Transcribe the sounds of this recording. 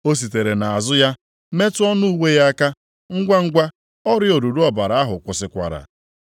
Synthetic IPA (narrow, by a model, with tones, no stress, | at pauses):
o˦s̬i˨t̬e˨ɾe˨na˨a˨zʊ˦ja˦ | me˦tʊ˦ɔ˦nu˦u˦we˦ja˦ka˦ | ŋ̩˦ɡʷa˦ŋ̩˦ɡʷa˦ | ɔ˦ɾɪ˦o˨du˨du˦ɔ˦ba˨ɾa˨a˦ɦʊ˨kʷʊ˨sɪ˨kʷa̰˨ɾa̰˨